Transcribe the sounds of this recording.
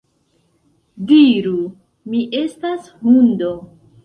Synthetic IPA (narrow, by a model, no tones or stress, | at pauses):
diɾu | miʔe̞stashundo